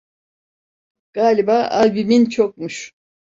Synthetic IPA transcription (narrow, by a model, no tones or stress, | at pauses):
ɡ̥aːlʲibaːʔalbimint͡ʃʰok̚muʃ